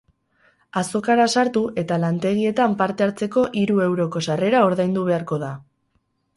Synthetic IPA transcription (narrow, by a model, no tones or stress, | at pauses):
aso̞kaɾasaɾt̪uʔe̞t̪alant̪e̞ɣ̞ie̞t̪ampaɾt̪e̞aɾt͡se̞ko̞ʔiɾue̞wɾo̞ko̞sare̞ɾao̞ɾðajnd̪uβ̞e̞aɾko̞ða